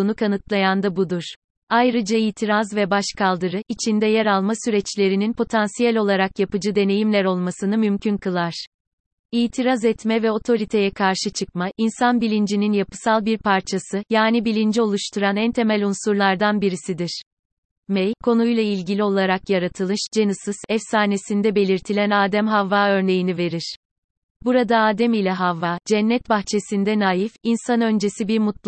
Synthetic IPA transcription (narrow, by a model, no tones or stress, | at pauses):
nukʰanɯt̪lˠajand̪abud̪uɾ̥ | ajɾɯd͡ʒaijt̪ʰiɾazvɛbaʃkʰalˠd̪ɯɾɯʔit͡ʃʰind̪ɛjɛɾalˠmasyɾɛt͡ʃlʲe̞ɾininpʰo̞t̪ʰansijælʲo̞lˠaɾakjapɯd͡ʒɯd̪e̞ne̞jimlʲæɾo̞lˠmasɯnɯmymcʰynkɯlˠaɾ̥ | ijt̪ʰiɾazɛt̪mɛvɛo̞t̪ʰo̞ɾit̪ʰe̞jɛkʰaɾʃɯt͡ʃʰɯk̚maʔinsanbilʲind͡ʒininjapɯ̥salˠbiɾpʰaɾt͡ʃʰasɯjaːnibilʲind͡ʒio̞lˠuʃt̪ʰuɾanænt̪ʰe̞mælʲunsuɾlˠaɾd̪anbiɾisid̪iɾ̥ | mɛjkʰo̞nujlˠailʲɟilʲio̞lˠaɾakjaɾat̪ʰɯlˠɯʃd͡ʒenɯsɯz̥ɛfsaːne̞sind̪ɛbe̞lʲiɾt̪ʰilʲænaːd̪æmɦavːaːø̞ɾne̞jinive̞ɾiɾ̥ | buɾad̪aaːd̪ɛmilʲɛɦavːaːd͡ʒɛnːɛt̪̚baxt͡ʃʰe̞sind̪ɛnaːjifinsanø̞nd͡ʒe̞sibiɾmut̪